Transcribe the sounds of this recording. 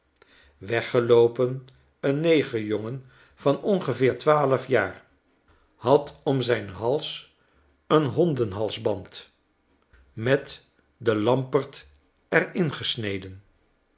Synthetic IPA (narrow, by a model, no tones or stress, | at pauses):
ʋɛχəlowpən | ənːejχəjɔŋən | v̥ɑnɔnχəvɪːɹtʋaːləfjaːɹ | hɑtɔmzɛjnɦɑlˠs | ənɦɔndənɦɑlˠzbɑnt | mɛt | dəlɑmpəɹt | ɛɹɪnχəsnejdən